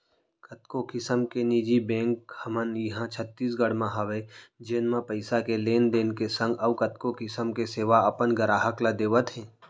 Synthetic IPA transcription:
kət̪kokɪsəmkenid͡ʒibẽːŋkhɐmənjəɦãt͡ʃʰət̪ːiːs̬ɡəɽmãɦɐʋed͡ʒeːnmãpəɪsakeleːnd̪eːnkesə̃ŋɡəʋkɐt̪kokɪsəmkeseːʋaɐpənɡəɾaːɦəklad̪eːʋət̪ɦɛ̃ː

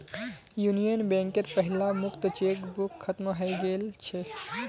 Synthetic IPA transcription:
junijənbẽŋkeɾpəɦilamʊkt̪ət͡ʃekbukʰːət̪mɦəjɡelt͡ʃʰe

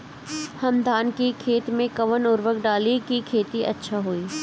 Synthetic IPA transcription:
hɐmd̪ʱaːnkikʰeːt̪mẽkɐʋənʊɾʋəkɖaːlikikʰeːt̪iʔɐ̰tːʃʰaɦoːiː

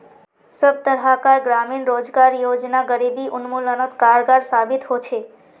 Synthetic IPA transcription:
səb̚t̪əɾɦakaɾɡɾaminɾod͡ʒɡaɾjod͡ʒnaɡəɾibiʔʊnmulənot̪kaɾɡaɾsabit̪ɦot͡ʃʰe

